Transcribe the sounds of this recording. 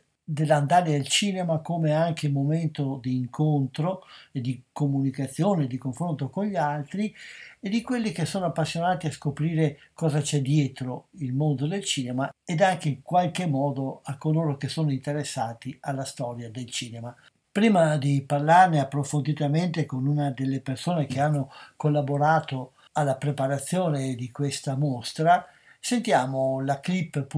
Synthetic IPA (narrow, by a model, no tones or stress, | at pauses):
d̪elːand̪aːɾeelt͡ʃiːnemakomeaŋk̟elmoment̪od̪iːŋkʰont̪ɾoed̪ikomunikat̪sːjoːneːd̪ikoɱfɾont̪okonʎːalt̪ɾied̪ikwelːik̟esːoːnoapːasːjonaːt̪iaskopɾiːɾe | kɔːzat͡ʃɛd̪jɛːt̪ɾoilmond̪od̪elt͡ʃiːnemaed̪aŋkeiŋkwalkemːɔːd̪oakːoloːɾok̟esːoːnoint̪eɾesːaːt̪ialːast̪ɔːɾjad̪elt͡ʃiːnema | pɾiːmad̪iparlarneapːɾofond̪it̪ament̪ekonunad̪elːepersoːnek̟eanːokolːaboɾaːt̪o | alːapɾepaɾat̪sːjoːned̪ikwest̪amost̪ɾa | sent̪jaːmolaklipːp